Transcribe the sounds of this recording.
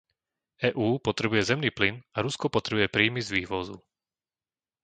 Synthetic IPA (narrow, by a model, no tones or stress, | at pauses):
ɛːʔuːpɔt̪ɾɛbujɛzɛmniːplinaɾuskɔpɔt̪ɾɛbujɛpɾiːmizʋiːʋɔzṵ